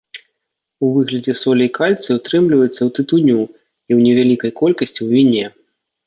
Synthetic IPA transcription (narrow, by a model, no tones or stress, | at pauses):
uvɨɣlʲɐd͡zʲɛsɔlʲiikalʲt̪sɨwt̪ɾɨmlʲivɐjɛt̪sːɐwt̪ɨt̪unʲu | iwnʲɛvʲalʲikɐjkɔlʲkɐsʲt͡sʲiwvʲinʲɛ